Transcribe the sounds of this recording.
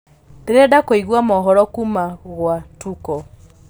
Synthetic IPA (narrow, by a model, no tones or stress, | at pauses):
deɾɛdakoiɣwamɔɦɔɾɔkumaɣwatukɔ